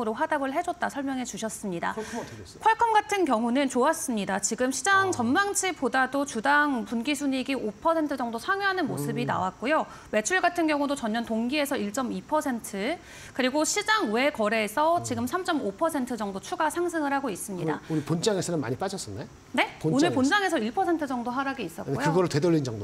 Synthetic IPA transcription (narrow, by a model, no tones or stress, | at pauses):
ɯɾoɸwadaɡɯɭɦe̞d͡ʑʌt̚t͈asʰʌɭmjʌŋɦe̞t͡ɕuɕʰʌs͈ɯmɲida̰ | kʰwaɭkʰʌmɡatʰɯnkjʌŋunɯnt͡ɕoas͈ɯmɲidat͡ɕiɡɯmɕʰid͡ʑaŋt͡ɕʌnmaŋt͡ɕʰipodadot͡ɕudaŋpunɡisʰuɲiɡiʔopʰʌsʰe̞ntʰɯd͡ʑʌŋdosʰaŋjuɦanɯnmosʰɯbina̰wak̚k͈ojo | we̞t͡ɕʰuɭɡatʰɯnɡjʌŋudot͡ɕʌnːʌntoŋɡie̞sʰʌiɭt͡ɕ͈ʌmipʰʌsʰe̞ntʰɯ | kɯɾiɡoɕʰid͡ʑaŋwe̞kʌɾe̞sʰʌt͡ɕiɡɯmsʰamt͡ɕ͈ʌmopʰʌsʰe̞ntʰɯd͡ʑʌŋdot͡ɕʰuɡasʰaŋsʰɯŋɯɾhaɡois͈ɯmɲida̰uɾipond͡ʑaŋesʰʌnɯnma̰ɲip͈ad͡ʑʌs͈ɯne | ne̞pnonɯɭpond͡ʑaŋe̞sʰʌiɭpʰʌsʰe̞ntʰɯd͡ʑʌŋdoɦaɾaɡeis͈ʌkojokɯɡʌɾɯɭtwe̞dʌʎːind͡ʑʌŋdo